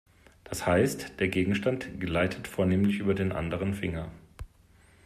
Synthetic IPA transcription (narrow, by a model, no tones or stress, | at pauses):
d̥ashaɪstd̥eːɐɡeːɡŋ̩ʃtantɡ̥əlaɪtʰətfoːɐneːmlɪçʔyːbɐdeːnʔa̰ndəʁ̞ənfɪŋɐ